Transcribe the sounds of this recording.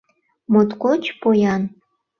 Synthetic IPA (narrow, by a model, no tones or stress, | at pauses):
mot̪kot͡ɕpojɑn